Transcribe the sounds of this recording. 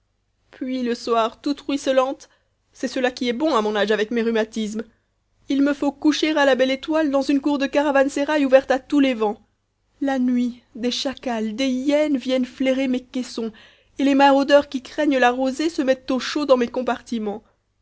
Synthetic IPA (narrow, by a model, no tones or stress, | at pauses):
pɥiləswaʁt̪ut̪ʁɥisəlɑ̃t̪ | sɛsəlakʲiɛbɔ̃amɔ̃naʒavɛkmeʁymat̪is̬m | ilməfokuʃeʁalabɛlet̪wald̪ɑ̃zynkuʁd̪əkaʁavanseʁajuvɛʁt̪at̪ulevɑ̃ | lanɥid̪eʃakald̪ejɛnvjɛnfleʁemekɛsɔ̃ | elemaʁod̪œʁkʲikχɛɲlaʁozesəmɛt̪ːoʃod̪ɑ̃mekɔ̃paʁt̪imɑ̃